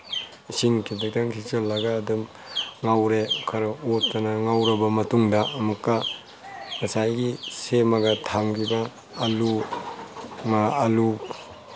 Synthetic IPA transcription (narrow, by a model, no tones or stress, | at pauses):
siŋkʰidɐɡ̚daŋsʰit͡ʃɐlːɐɡaːdɐm | ŋawɾekʰaɾɐotːɐnɐŋawɾɐbɐmɐtuŋdɐɐmukːɐ | mɐsajɡisemɐɡɐtʰaŋkibɐː | lu | maːlu